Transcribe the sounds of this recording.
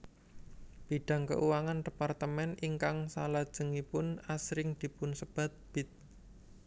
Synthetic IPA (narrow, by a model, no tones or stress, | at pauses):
b̥iɖ̥ä̤ŋkə̰ʔuwaŋand̥e̤part̪əmɛniŋkaŋsa̰lad̥ʒ̥ə̤ŋipʊnasɾɪŋd̪̥i̤pʊnsəb̥a̤t̪̚b̥ɪt̪̚